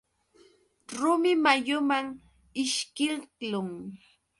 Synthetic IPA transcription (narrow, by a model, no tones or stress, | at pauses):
ɾʊmɪmajʊmaŋ | ɪʃkɪllʊŋ